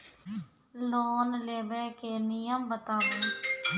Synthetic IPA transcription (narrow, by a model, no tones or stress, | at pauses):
loːnleːbeːkeːnɪjəmbət̪aːʋeː